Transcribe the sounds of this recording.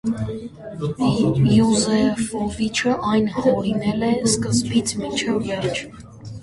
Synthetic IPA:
juzɛfɔvit͡ʃʰəʔɑjnhɔɾinɛlɛskəzbit͡sʰmit͡ʃʰɛvvɛrt͡ʃʰ

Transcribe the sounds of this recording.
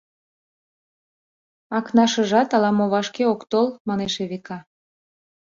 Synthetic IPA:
ɑknɑʃə̆ʒɑt̪ɑlɑmoβɑʃkeokt̪olmɑneʃeβekɑ

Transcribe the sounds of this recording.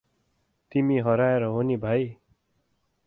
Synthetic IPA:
t̪imiɦʌɾaeɾʌɦonibʱaj

